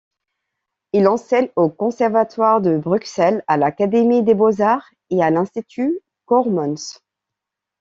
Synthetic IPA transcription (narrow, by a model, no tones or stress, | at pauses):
ilɑ̃sɛɲokɔ̃sɛʁvat̪waʁd̪əbʁyksɛlalakad̪emid̪ebozaʁ | ealɛ̃st̪it̪ʰy | kɔʁmɔns